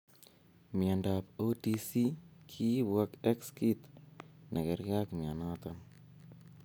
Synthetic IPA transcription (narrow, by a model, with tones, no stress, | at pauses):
mja˨nda˨po˦ti˧si˦kʰi˦bwa˦kɛ˦kski˦t̪na˨kɛ˨ɾka˦kmja˨na˦t̪an